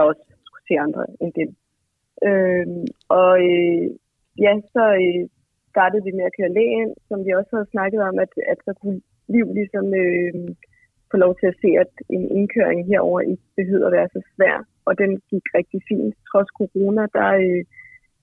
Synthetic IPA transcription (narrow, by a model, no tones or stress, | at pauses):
ɑɒ̽s | sɡ̥u̥se̝̰ːɑ̈nd̥ʁɐend̥e | ʔø | ʔɒ̽ø | jæsɒ̽ø | sd̥ɑ̈ːd̥əð̩ˠʋimeækʰøɐɐlɛ̰ːen̰sɒ̽mʋiɒ̽shæð̞̩ˠsnɑ̈ɡ̥əð̞̩ˠɒ̽mæd̥æd̥sɒ̽kʰu | liʊ̰lisɒ̽mø | foːlɒʊt͡sʰe̝æse̝̰ːæd̥e̝ne̝nkʰøɐ̰eŋɦeɐ̰ɒ̰ʊ̰ɐʔi̥b̥e̝ɦøð̰ˠɐʋæːɐsɒ̽sʋæɐ̰ | ɒ̽d̥enɡ̥iɡ̥ʁɛɡ̥̚d̥ifḭːnd̥t͡sʰʁɒ̽skʰo̝ʁo̝ːnæd̥ɑ̈ø